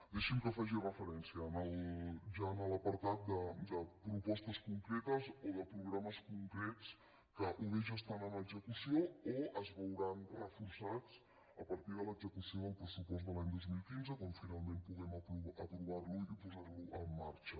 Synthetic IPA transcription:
d̪eʃimkəfaʒirəfəɾɛnsiəːnəlˠʒaənələpəɾt̪at̪̚d̪əd̪əpɾupɔst̪əskuŋkɾɛt̪əzoðəpɾuɣɾaməskuŋkɾɛt͡s | kəʔuβeʒəst̪anənəɡzəkusiooəzβəwɾanrəfursat͡s | əpəɾt̪iðələɡzəkusioðəlˠpɾəsupɔzd̪əlaɲd̪ozmilˠkinzəkɔmfinalˠmẽmpuɣɛməpuət̪ɾuβarluipuzarluʔəmːaɾt͡ʃə

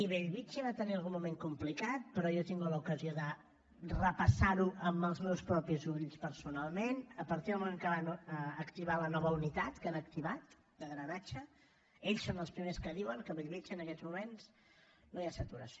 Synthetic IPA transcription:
iβeʎβit͡ʃiβat̪əniəalˠɣunmumeŋkumplikat̪̚pəɾɔjɔt̪iŋɡuləukəzioðə | rəpəsaɾuʔəmbəlˠzmɛwspɾɔpizuβʎspəɾsunalˠmenəpəɾt̪iðəlmumẽŋkəβanəəkt̪iβalənɔβəunit̪at̪kanək̚t̪iβat̪ | d̪əɣɾənat͡ʃə | eʎsonəlˠspɾimeskəðiwəŋkəβeʎβit͡ʃiənəkɛzmumens | nojasət̪uɾəsio

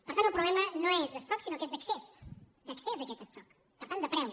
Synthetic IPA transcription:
pəɾt̪anwpɾuβlɛmɐnõɛzðəst̪ɔksinokɛzðɐksɛs | d̪əksɛzðɐkɛt̪əst̪ɔk | pəɾt̪and̪ɐpɾɛn

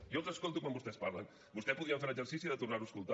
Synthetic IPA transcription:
jɔlˠzəskolˠt̪ukwambust̪ɛspaɾlə̰n | bust̪ɛspuðiəɱfeɾəʒəɾsisiðət̪urnaɾuəskulˠt̪a

